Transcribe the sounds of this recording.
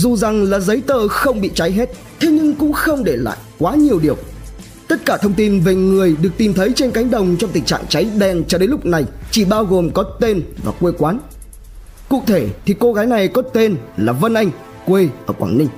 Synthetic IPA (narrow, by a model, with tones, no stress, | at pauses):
zu˨˩za˨˩ŋlaː˨˩zə˨˦jt̪əː˧˩xə˧wŋ͡mɓḭ˧˨t͡ɕa˨˦jɦɛ˦˥t̚ | t̪ʰe˨˦ɲɨ˧ŋkʊ̰˧˥ŋ͡mxə˧wŋ͡mɗe˧˩la̰ː˧˨jkwaː˨˦ɲi˨˩əwɗi˨˩əw | t̪ə˦˥t̚kaː˧˩t̪ʰə˧wŋ͡mt̪i˧nve˨˩ŋɨ˨˩əjɗɨ˨˩ək̚t̪i˨˩mt̪ʰə˨˦jt͡ɕe˧nka˨˦jŋ̟ɗə˨˩wŋ͡mt͡ɕɔ˧ŋ͡mt̪ï˨˩ŋ̟t͡ɕa̰ː˧˨ŋt͡ɕa˨˦jɗɛ˧nt͡ɕɔ˧ɗe˨˦nlʊ˥k͡p̚na˨˩jt͡ɕi˧˩ɓaː˧wɣo˨˩mkɔ˨˦t̪e˧nva̰ː˨˩kwe˧kwaː˨˦n | kṵ˧˨t̪ʰe˧˩t̪ʰi˨˩ko˧ɣaː˨˦jna˨˩jkɔ˨˦t̪e˧nlaː˨˩və˧nʔa˧jŋ̟ | kwe˧ʔəː˧˩kwa̰ː˧˩ŋnï˧˩ŋ̟